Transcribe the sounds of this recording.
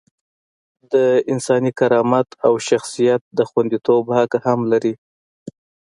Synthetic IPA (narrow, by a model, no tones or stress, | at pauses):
d̪əɪnsɑnikaɾɑmat̪ʰawʃaxsijat̪̚d̪əxwand̪it̪obhakahamlaɾi